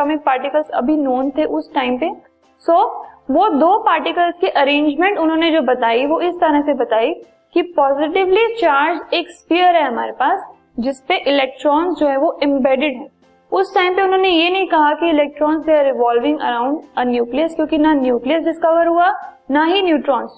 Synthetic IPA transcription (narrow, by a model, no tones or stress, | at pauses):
ɔmɪk̚paːɾʈɪkəlzɐ̰bʱinoːnt̪ʰeʔʊsʈaːɪmpe | soːʋod̪oːpaːɾʈɪkəlskiʔɐɾẽːɲd͡ʒmẽɳʈʊnɦõːned͡ʒoːbɐt̪aːiʋoɪst̪ɐɾəsebɐt̪aːi | kipɔːzɪʈ̬ɪʋlit͡ʃaːɾd͡ʒeːkspijəɾɦɛɦɐmaːɾepaːs | d͡ʒɪspeʔɪlɛːk̚ʈɾɔːnzd͡ʒoːɦɛ̃ʋoʔɪ̃mbɛːɖɪɖɦɛ̃ː | ʊsʈaːɪmpeʊnɦõːnejenɐɦĩkɐɦakiɪlɛːk̚ʈɾɔːnsiaɾɪʋaːlʋɪ̃ŋɡɐ̰ɾãːʊ̃ɳɖɐnjuːkliəskjõːkinanjuːklijəsɖɪskɐʋəɾɦua | naɦinjuːʈɾɔːnz